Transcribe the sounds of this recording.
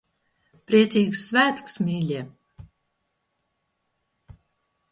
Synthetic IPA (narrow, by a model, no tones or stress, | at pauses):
pɾiɛt̪siːɡusːvæːt̪ku̥smʲiːlʲiː